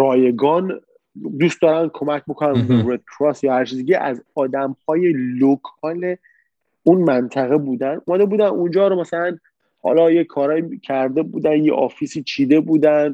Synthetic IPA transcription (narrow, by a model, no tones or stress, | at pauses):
ɾɒːje̞ɡɒːn | d̪uːst̪̚d̪ɒːɾænd̪̚kʰo̞mæcʰbokʰonænbebɾed̪̥̚kʰɾɒsjɒːhæɾt͡ʃʰizeɟeʔæzɒːd̪æmhɒːje̞lokʰɒːle | unmænt̪ʰæɣe̞buːd̪ænʔumæd̪ebuːd̪ænund͡ʒɒːɾomæsælæn | hɒ̰lɒːjekʰɒːɾɒːjicʰæɾd̪e̞buːd̪ænjḛʔɒːfisiːt͡ʃʰiːd̪e̞buːd̪ænd̪